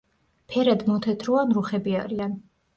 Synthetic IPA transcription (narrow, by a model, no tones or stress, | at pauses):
pʰɛɾad̪mɔt̪ʰɛt̪ʰɾɔanɾuχɛbiaɾian